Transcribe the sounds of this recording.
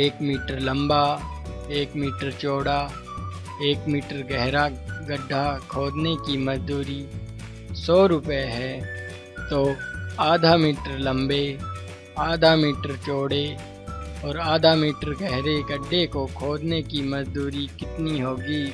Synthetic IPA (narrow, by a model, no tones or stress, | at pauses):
eːkmiːʈəɾlɐ̃mba | eːkmiːʈəɾt͡ʃoːɽa | eːkmiːʈəɾɡɛɦɾaɡəɖʱːakʰoːd͡ʒ̪nekimɐd͡ʒd̪uːɾi | sɔːɾʊpeɦɛː | t̪oːaːd̪ʱamiːʈəɾlɐ̃mbe | aːd̪ʱamiːʈəɾt͡ʃoːɽe | ɔːɾaːd̪ʱamiːʈəɾɡɛɦɾeɡəɖʱːekokʰoːd̪nekimɐd͡ʒd̪uːɾikɪt̪niɦoːɡiː